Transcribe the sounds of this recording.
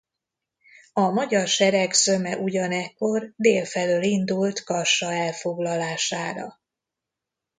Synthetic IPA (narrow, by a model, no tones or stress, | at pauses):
ɒmɒɟɒrʃɛɾɛksø̞mɛʔuɟɒnɛkːo̞rd̪eːlfɛløːlind̪ult̪kɒʃɒɛlfo̞ɡlɒlaːʃaːɾɒ̰